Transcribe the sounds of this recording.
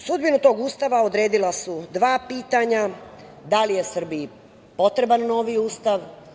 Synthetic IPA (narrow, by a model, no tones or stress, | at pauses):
sud̪binut̪o̞ːɡuːst̪aʋao̞d̪ɾeːd̪ilasud̪ʋaːpiːt̪aɲad̪alije̞sr̩bii | po̞t̪ɾe̞banno̞ʋiuːst̪aʋ